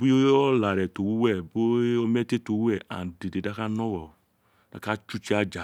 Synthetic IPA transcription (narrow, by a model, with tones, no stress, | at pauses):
bu˦jo˦ɔ˦la˨ɾɛ˨to˨wu˦wɛ˦˨bo˦o˦mɛ˦te˦to˨wu˦ɛ˦˨a̰˨nde˨de˨da˦ka˦nɔ˦wɔ˨ | da̰˨ka˦t͡ʃu˦t͡ʃi˦a˦d͡ʒa˨